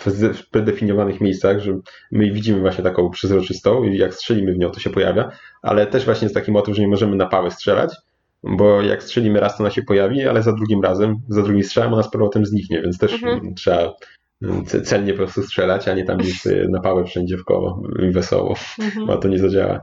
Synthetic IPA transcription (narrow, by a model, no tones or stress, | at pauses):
fzfpɾɛd̪ɛfʲiɲjɔvanɘxmʲejst̪saɣʐɛmɘvʲid͡ʑimɘvwaɕɲɛt̪akɔ̃w̃pʂɛzɾɔt͡ʂɘst̪ɔ̃w̃ijakstʂɛlʲimɘvɲɔ̃w̃t̪ɔɕɛpɔja̰vʲjaa̰lɛt̪ɛʐvwaɕɲɛst̪akʲimɔt̪ɨvʐɛɲɛmɔʐɛmɘnapawɛstʂɛla̰t͡ɕ | bɔja̰kstʂɛlʲimɘɾast̪ɔnaɕɛpɔjavʲia̰lɛzad̪ɾuɡʲimɾazɛmzad̪ɾuɡʲĩstʂɛlamɔnaspɔɾvɔt̪ɛmzɲikɲɛvʲjɛntst̪ɛʂtʂɛa | ɛt̪sɛlɲɛpɔpɾɔst̪ustʂɛlat͡ɕaɲɛt̪a̰mɡd͡ʑeɕsɔ̰jɛ̰napawɛfʂɛɲd͡ʑɛfkɔ̰wɔ̰ivɛsɔ̰wɔ̰b̰a̰t̪ɔɲɛzad͡ʑa̰wa̰